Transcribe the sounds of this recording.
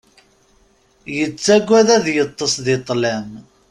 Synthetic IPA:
jət͡sːæɡʷːæðæðjət̪ˤːəsðɪt̪ˤːlæm

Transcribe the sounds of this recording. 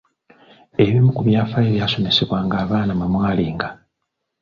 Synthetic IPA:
e̞βimukuβjaːfaeβjaːso̞me̞se̞βwaːŋɡaːβaːnamamwaːliːŋɡa

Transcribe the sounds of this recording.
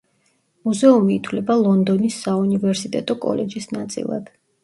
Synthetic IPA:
muzɛumiːt̪ʰwlɛbalˠɔnd̪ɔnisːaunivɛɾsit̪ʼɛt̪ʼɔkʼɔ̰lɛd͡ʒisnat̪sʼḭlˠa̰d̪̥

